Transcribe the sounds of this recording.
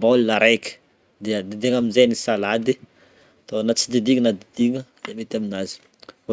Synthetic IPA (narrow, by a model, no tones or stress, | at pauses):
bollaɾajkə̥ | d̪eəd̪id̪eŋaminzejnisalad̪i | t̪onat͡sid̪id̪iŋənad̪id̪iŋəd̪emet̪aminazi̥